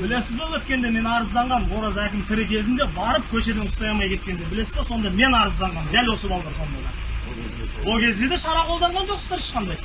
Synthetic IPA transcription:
b̥ɪle̞sɪzbɪwɵt̪̚kʲe̞nd̪e̞me̞nɑɾəzd̪ɑɴʁɑnwo̞ɾɑzækʲɪmt̪ʲʰɪɾɪkʲʰe̞zɪnd̪e̞bɑɾəp̚kʲʰɵʃe̞d̪eʊst̪ɑjɑmɑjkʲʰe̞t̪̚kʲe̞nd̪e̞bɪle̞sɪzbeso̞nd̪ɑme̞nɑɾəzd̪ɑɴʁɑnd̪ælwo̞səbɑlˠɑʁɑɾsond̪ɑjʁɑ̰ | wolˠkʲʰe̞zd̪e̞d̪e̞ʃɑɾɑqʰo̞lˠd̪ɑɴʁɑnʒo̞qsə̥zd̪ɑɾɪʃqɑnd̪ɑj

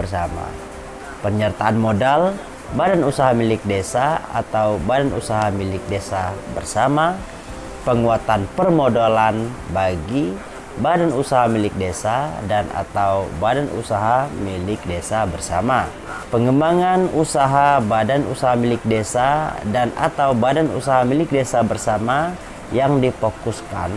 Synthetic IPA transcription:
əsama̰ | pəɲərt̪aanmodal | badanusaɦamilɪk̚desaa̰t̪awbadanṵsaɦamilɪk̚desabərsama | pəŋuat̪anpərmodolanbaɡi | badanusaɦamilɪk̚desadana̰t̪awbadanṵsaɦamilɪk̚desabərsa̰ma | pəŋəmbaŋanusaɦabadanṵsaɦamilɪk̚desadana̰t̪awbadanṵsaɦamilɪk̚desabərsama | jaŋdifokuska̰n

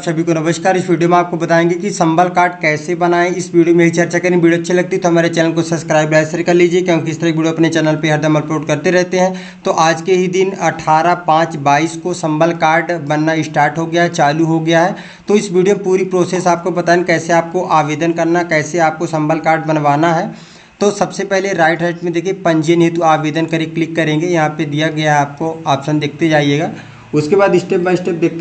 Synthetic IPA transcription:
psɐbʱikonɐʋəʃkaːɾɪsʋiːɖijomẽaːp̚kobɐt̪aːẽːŋɡekisɐ̃mbəlkaːɾɖkɛːsebɐnaːẽɪsʋiːɖijomẽɦit͡ʃɐɾt͡ʃakɐɾĩbʋiːɖioɐtːʃʰelɐɡ̚t̪it̪oɦɐmaːɾet͡ʃɛːnəlkosɐpskɾaːɪbɾaːsəɾkɐɾliːd͡ʒiekjõːkiɪst̪əɾak̚ʋiːɖioɐpnet͡ʃɛːnəlpeɦɐɾd̪ʱɐməlpoːʈkɐɾt̪eɾɛɦt̪eɦɛ̃ | t̪oʔaːd͡ʒkeɦid̪ɪnɐʈʰaːɾapãːt͡ʃbaːiːskosɐ̃mbəlkaːɾɖbɐnːaɪsʈaːɾʈɦoɡɐjaɦɛt͡ʃaːluɦoɡɐjaɦɛː | t̪oɪsʋiːɖijopuːɾipɾoːseːsaːp̚kobɐt̪aekɛːseaːp̚koʔaːʋeːd̪ənkɐɾnakɛːseaːp̚kosɐ̃mbəlkaːɾɖbɐnʋaːnaɦɛː | t̪osɐbsepɛɦleɾaːɪʈɾɛːɪʈmẽd̪eːkʰiepɐ̃ɲd͡ʒeneːt̪uaːʋeːd̪ənkɐɾeklɪkːɐɾẽːŋɡejɐɦãped̪ijaɡɐjaɦɛaːp̚koaːbsə̃nd̪eːk̚ʰt̪ed͡ʒaːɦijeːɡaː | ʊskebaːd̪ɪsʈeːp̚bãɪsʈeːp̚d̪eːk̚t̪

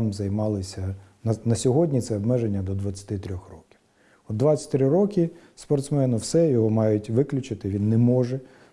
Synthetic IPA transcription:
mzɐjmɑlˠɪsʲɐnɐnɐsʲɔɦɔdʲnʲit̪sɛɔbmɛʒenʲːɐd̪ɔd̪ʋɐt͡sʲːɐ̥t̪ɪt̪ɾʲɔxrɔkʲi̥w | ɔd̪d̪ʋɑt͡sʲɐ̥tʲt̪ɾɪɾɔkʲɪ | spɔrt̪smɛnʊwsɛjɔɦɔmɑjʊtʲʋɪklʲʊt͡ʃɪt̪ɪʋʲinːɛmɔʒɛ

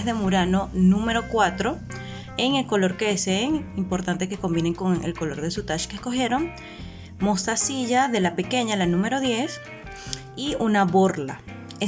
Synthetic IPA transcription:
ðe̞muɾano̞nũme̞ɾo̞kwat̪ɾo̞ | e̞ŋe̞lko̞lo̞ɾkeeseːŋimpo̞ɾt̪ant̪eke̞ko̞mbine̞ŋko̞ŋḛlko̞lo̞ɾðe̞sut̪aʃkesko̞xje̞ɾo̞ŋ | mo̞st̪asiʝaðe̞lape̞ke̞ɲalanũme̞ɾo̞ðje̞s | iunaβo̞ɾla̰ | e

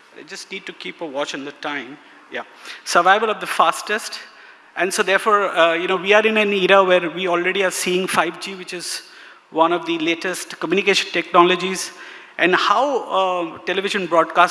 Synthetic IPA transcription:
ba̰ɪd͡ʒʌsʈniːɖ̚ʈukiːpəʋɔːt͡ʃɪ̃ŋd̪əʈãɪ̃m | ja̰ | səɾʋaɪʋəlɔʋd̪əfaːsʈəsʈ | ʔɛ̃nsod̪eːɾfɔːɾjunoːʋiaɾɪ̃nɛ̃niɾəʋeːɾʋiːɔːlɾeɖiaɾsiːɪ̃ŋfaɪʋd͡ʒiːʋɪt͡ʃɪz | ʋʌ̃nɔʋd̪ileːʈəsʈkəmjunɪikeːʃə̃nʈɛknɔːləd͡ʒizʔɛ̃nɖhaʊʈɛlɪʋɪʒə̃nbɾɔːɖkaːs

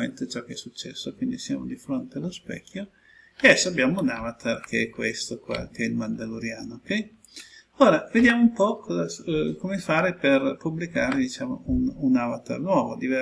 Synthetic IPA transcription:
ent̪et͡ʃɔkːeɛsːut͡ʃːɛ̰sːokwind̪isja̰ːmod̪ifɾont̪ealospɛ̰kːjo | ed̪ɛsːoabːjaːmounaːvat̪arkʰeɛkːwḛst̪okwa̰keɛilmand̪aluɾjaːnokɛj | oːɾaved̪jaːmoumpɔkɔzakomefaːɾeperpublikaːɾed̪it͡ʃaːmo̰ununːavat̪a̰rnwɔːvo̰d̪ivɛ

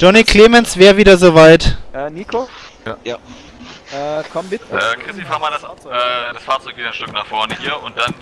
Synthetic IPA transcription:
d͡ʒ̥ɔnikʰl̥eːmɛnsv̥ɛːʁviːdɐzoːvaɪtːnikʰo | ɛkʰɔmbɪtɛkʁ̥ɪstifaːɐmaːlasɛd̥asfaɐt͡sɔʏk̚viːdɐanʃtʏknaːχfɔɐnəhiːɐʔʊnt̚d̥an

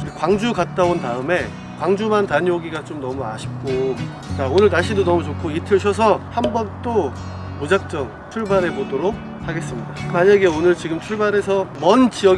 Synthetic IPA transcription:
ekwaŋd͡ʑuɡat̚t͈aontaɯme̞ | kwaŋd͡ʑumantaɲoɡiɡat͡ɕomnʌmua̰ɕʰi̥p̚k͈o | t͡ɕaonɯɭnaɭɕ͈ʰidonʌmut͡ɕokʰoitʰɯɕ̬ʰʌs̬ʰʌhambʌnt͈o | mud͡ʑak̚t͡ɕ͈ʌŋ | t͡ɕʰuɭbaɾe̞podoɾok̚ | haɡe̞s͈ɯmɲidamaɲaɡe̞onɯɭt͡ɕiɡɯmt͡ɕʰuɭbaɾe̞sʰʌmʌnt͡ɕiʌ

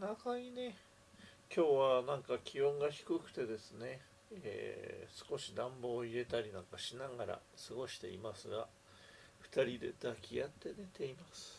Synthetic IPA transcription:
nakaɲ̟ine̞ | kʲo̞ːβanãŋkakʲʰiõŋɡaçi̥kɯ̟kɯ̟̥t̪e̞d̪e̞sɨne̞ | ḛːsɨ̥ko̞ɕid̪ãmbo̞ːiɾe̞t̪aɾʲinãŋkaɕinaɡaɾa̰sɨɡo̞ɕi̥t̪e̞̰imasɨɡa | ɸɯ̟̥t̪aɾʲid̪e̞̰d̪̥akʲʰijat̪ːe̞d̪e̞t̪e̞imasɨ̥

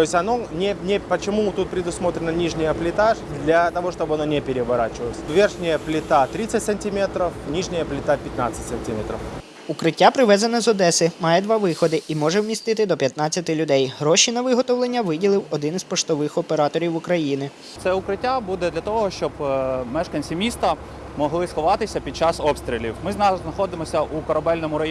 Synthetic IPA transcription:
tojɪsʲɐnonʲɛnʲpət͡ʃɪmut̪ut̪̚pɾʲɪd̪ʊsmot̪ɾʲɪnənʲiʐnʲɪjəplʲɪt̪aʂd̪lʲɐt̪ɐʋoʂt̪obɨɐnonʲɛpʲɪɾʲɪʋɐɾat͡ɕɪʋəlsʲʋʲerxnʲɪjəplʲɪt̪at̪ɾʲit̪sətʲsənʲtʲɪmʲet̪ɾəfnʲiʐnʲɪjəplʲɪt̪apʲɪt̪na̰t̪sətʲsənʲtʲimʲet̪ɾəf | ukɾɪtʲːapɾɪʋɛzɐnɐzɔd̪ɛsɪmɑjɛd̪ʋɑʋɪxɔd̪ɪʔimɔʒɛwmʲist̪ɪt̪ɪd̪ɔpʲjɐt̪nɑt͡sʲːɐt̪ɪlʲʊd̪ɛjɦɾɔʃinɐʋɪɦɔt̪ɔwlˠenʲːɐʋɪdʲilˠɪwɔd̪ɪnzpɔʃt̪ɔʋɪxɔpeɾɑt̪ɔɾʲiwukɾɐjinɪ | t̪sɛʊkɾɪtʲːabud̪ɛd̪lʲɐt̪ɔɦɔʃt͡ʃɔbmɛʃkɐnʲsʲimʲist̪ɐ | mɔɦlˠɪsxɔʋɑt̪ɪsʲɐpʲid̪̚t͡ʃɑsɔpst̪ʲɾʲilʲiwmɪznɑznɐxɔd̪ɪmɔsʲɐʔukɔɾɐbɛlʲnɔmʊɾɐ

